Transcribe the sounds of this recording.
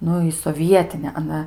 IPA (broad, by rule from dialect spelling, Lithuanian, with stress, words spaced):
ˈnʊ ɪ soːˈʋʲiɛtʲɪnʲɛ ɐˈnɐ